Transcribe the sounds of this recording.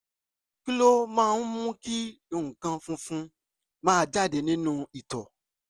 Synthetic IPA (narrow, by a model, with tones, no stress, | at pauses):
ki˦lo˦mãː˦˧nũ˦mũ˦ki˦ | e˧˨ũ˨kã˧fũ˧fũ˧ | mãː˦˧d͡ʒa˦˨de˨˧˨nĩ˦nũ˦i˨tɔ˨